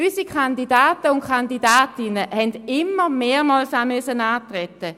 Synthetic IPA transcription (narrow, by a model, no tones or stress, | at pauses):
ysikʰandidaːtəʊnkʰandidaːtɪnəhɛndɪmːəmeːʁmɔːlsamøəsənaːtʁɛtə